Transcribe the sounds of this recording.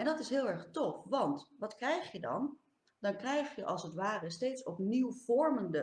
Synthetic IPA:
ʔɛndɑtɪsɦɪːlˠɛɹχtɔfʋɑntʋɑtkrɛjχjədɑ̰n | dɑnkrɛjχjəʔɑlˠsətʋaːrəstejtsɔpniwv̥ɔɹməndə

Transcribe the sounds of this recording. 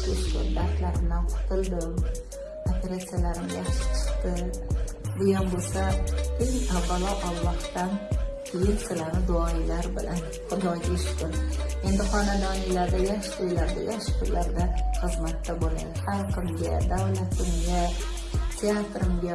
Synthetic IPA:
ɪʃkʲʊ̰nd̪aɾt̪laɾɪmnanqʰʊ̥t̪ʰɪlˠd̪ɪm | opʰe̞ɾat̪sijalaɾɪmɡʲaʃt͡ʃʰɪ̥qt̪ɪ | bʊjɒnbolsaeŋavːalˠɒʔɒlˠːɒht̪anpʰɪlisalaɾnɪd̪ʊɒɪlaɾbɪlan | χʊd̪ɒjɡʲɪʃkʲʊne̞nd̪ɪχɒnad̪ɒnɪlaɾd̪ajaʃʊjlaɾd̪a̰jaʃqʊjlaɾd̪aχɨzmat̪ːabola̰d̪ɪhalqʰɨmɡʲad̪awlat̪ʰɪmɡʲa | t̪ʰe̞at̪ɾɪmɡʲa

